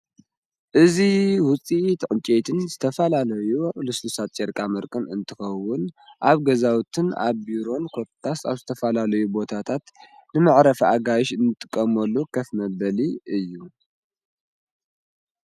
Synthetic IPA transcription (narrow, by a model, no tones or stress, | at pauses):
ʔɨziwʊt͡sʼit̪ʰɨʕɨnt͡ʃʼet̪ʰɨnz̥ɨt̪ʰɐfɐlalɐjuʔʼlɨslusat̪ʼt͡ʃʼeɾkʼamɐɾkʼɨnɨ̰nt̪ʰɨxɐwːʊnʔaβɡɐzawt̪ʰɨna̰βbiɾo̞nkʰo̞t̪t̪ʰːasa̰βzɨt̪ʰɐfɐlalɐjubo̞t̪ʰat̪ʰat̪nɨmaʕɾɐfaɡajʃɨnːɨt̪ʼːɨ̥kʼːɐmɐlːukʰɐfmɐbɐliɨjːu